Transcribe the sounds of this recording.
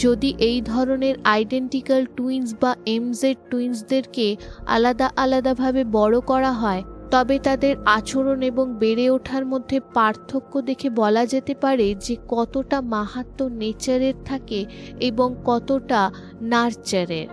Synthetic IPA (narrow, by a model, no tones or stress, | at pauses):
d͡ʑod̪iʔejd̪ʱɔɾoneɾajɖeɳʈikalʈuins̬baʔemzeɾʈuins̬d̪eɾkea̰lad̪aʔalad̪abʱabebɔɽokɔɾaɦɔet̪ɔbet̪ad̪eɾat͡ɕoɾoneboŋbeɾeoʈʰaɾmod̪ʱːepaɾt̪ʰokːod̪ekʰebɔlad͡ʑet̪epaɾed͡ʑekɔt̪oʈamaɦat̪ːonet͡ɕaɾeɾt̪ʰakeeboŋkɔt̪oʈa | naɾt͡ɕaɾḛɾ